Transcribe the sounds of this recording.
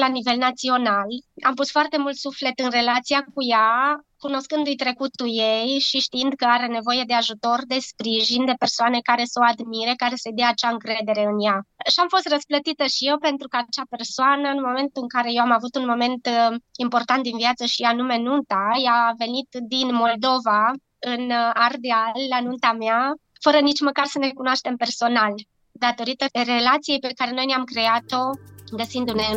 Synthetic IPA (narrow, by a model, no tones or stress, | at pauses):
lanive̞lnat̪sio̞nala̰mpust̪foart̪e̞mult̪sufle̞t̪ɨnre̞lat̪sijakujakuno̞skɨnd̪ujt̪ɾe̞kut̪ːujejʃiʃt̪iind̪kəaɾe̞ne̞vo̞je̞d̪e̞aʒut̪o̞rd̪e̞spɾiʒind̪e̞pe̞rsoane̞kaɾe̞səoad̪miɾe̞kaɾe̞səjd̪eaːt͡ʃaɨŋkɾe̞d̪e̞ɾe̞ɨnjaʃiamfo̞st̪rəsplət̪it̪əʃije̞wpe̞nt̪ɾukəat͡ʃape̞rsoanəɨnmo̞me̞nt̪uɨŋkaɾe̞je̞wamavut̪unmo̞me̞nt̪impo̞rt̪ant̪d̪inviat̪səʃianume̞nunt̪ajave̞nit̪d̪inmo̞ld̪o̞va | ɨnard̪eallanunt̪amea | fəɾənit͡ʃməkarsənekunoaʃt̪e̞mpe̞rso̞nal | d̪at̪o̞ɾit̪əre̞lat̪sije̞jpe̞kaɾe̞no̞jneamkɾe̞at̪o̞ɡəsind̪une̞